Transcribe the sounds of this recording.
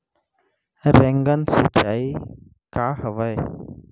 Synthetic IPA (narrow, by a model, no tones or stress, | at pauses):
ɾeŋɡənsit͡ʃaːi | kaːɦəʋəe